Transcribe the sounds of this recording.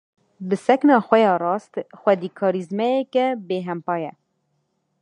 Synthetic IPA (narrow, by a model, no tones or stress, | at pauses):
bɨsɛknɑːxʷɛjɑːrɑːst̪xwɛd̪iːkʰɑːɾizmɛjɛkɛbeːɦɛmpɑːjɛ